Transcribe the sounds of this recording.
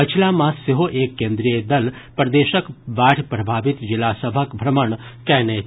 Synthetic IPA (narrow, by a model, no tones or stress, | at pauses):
ət͡ʃʰilamãsɪɦoʔeːkːẽːnd̪ɾijəd̪ɐlpɾd̪eːʃəkʋaːɽʰpɾɐbʱaːʋɪt̪d͡ʒɪlasəbʱəkbʱɾəməɳkɛːne